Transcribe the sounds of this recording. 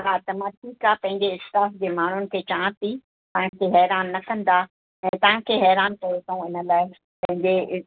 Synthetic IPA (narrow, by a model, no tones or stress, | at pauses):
at̪ɐmãʈʰiːkapɐ̃ɦɪ̃ɲd͡ʑeɪst̪aːsd͡ʑeːmaːn̤ʊnɪ̆kʰet͡ɕãːt̪i | t̪ɐ̃ɦãkʰeɦɛːɾaːnːɐkɐ̃nd̪a | ɛ̃ːt̪ɐ̃ɦãkʰeɦɛːɾaːnkɐɾot̪ʰɐũɪnə̆laːɪ | pɐ̃ɦɪ̃ɲd͡ʑe